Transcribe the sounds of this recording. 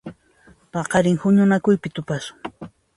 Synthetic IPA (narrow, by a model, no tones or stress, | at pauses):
pɑqɑɾɪŋhʊɲʊnakʊjpɪt̪ʊpaʃʊ̥ŋ